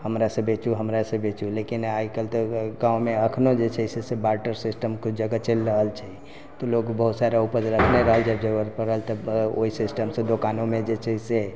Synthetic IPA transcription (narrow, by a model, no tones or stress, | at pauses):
həmɾasə̃bet͡ʃuɦəmɾasə̃bet͡ʃulekinaikəlt̪ɔɡãumeəkʰnod͡ʒet͡ʃʰɛsesebaɾʈəɾsisʈəmkd͡ʒəɡat͡ʃelɾəɦəlt͡ʃʰɛi | t̪ɔlokbəɦut̪saɾaupəd͡ʒɾəkʰneɾəɦəld͡ʒəbd͡ʒəɡəɾpəɾəlt̪əo̰isisʈəmsẽd̪okanomẽd͡ʒet͡ʃʰɛise